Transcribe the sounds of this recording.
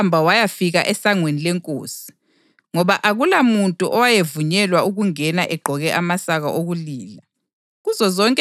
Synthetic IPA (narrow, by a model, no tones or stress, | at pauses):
mbʱawajafiɣa̰ʔɛsaŋwenilɛŋkʼo̰ːsi̥ | ŋɔβaʔaɣulamuntʼuʔɔwajevuɲɛlwauɣuŋɛnaʔɛɡ͡ǃʱɔɣɛʔamasaɣaʔoɣuliːla | ɣuzɔzɔŋkʼ